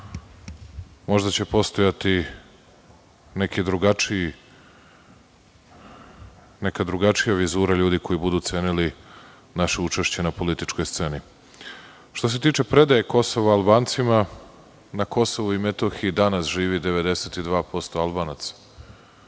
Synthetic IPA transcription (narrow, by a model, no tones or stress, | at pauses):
mo̞ʒd̪at͡ɕe̞po̞st̪o̞jat̪i | nekid̪ɾuɡat͡ʃii | nekad̪ɾuɡat͡ʃijaʋizuːɾaʎuːd̪iko̞jibud̪uːt̪seːnili | naʃeut͡ʂe̞ʃt͡ɕe̞napo̞lit̪it͡ʃko̞jst̪se̞ni | ʃt̪o̞s̬e̞t̪iːt͡ʃe̞pɾe̞d̪ajeko̞so̞ʋaːlˠbaːnt̪sima | nako̞so̞ʋuime̞t̪o̞xiid̪anasʒiːʋid̪e̞ʋe̞d̪e̞set̪id̪ʋaːpo̞st̪o̞alˠbaːnat̪sḁ